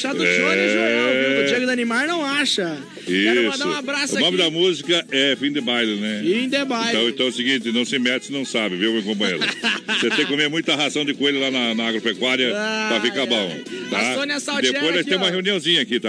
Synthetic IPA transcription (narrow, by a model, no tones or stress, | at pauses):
ʃad̪ʊɛ | eɡʊd̪ɐnimaɾnɐ̃w̃aʃɐ | isʊ̃abɾasʊnõmɪd̪ɐmuzikɐɛfĩd̪ɪbajlẽnɛĩd̪ebãtj̪ɐ̃w̃ẽt̪ɐ̃w̃ʊsɪɡĩnt̪ɪnɐ̃w̃sɪmɛt͡ʃɪɪnɐ̃w̃sabɪviwmikõp̬ɐ̃j̃eɾɐ̰seẽkkomẽmũj̃t̪ɐɦazɐ̃w̃d̪ɪkoejlɐlanɐnɐaɡɾopekwaɾiɐpɾɐfikabõw̃t̪aõniɐsawd̪eppojzɔ̃jt̪ẽj̃ũmɐheũniɐ̃w̃zĩɲɐakit̪a